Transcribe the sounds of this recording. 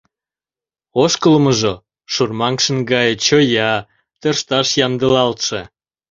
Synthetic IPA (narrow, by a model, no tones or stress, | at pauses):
oʃkəlməʒo | ʃurmɑŋʃə̆nɡɑjət͡ɕojɑ | t̪ərʃt̪ɑʃjɑnd̪əlɑlt̪ʃe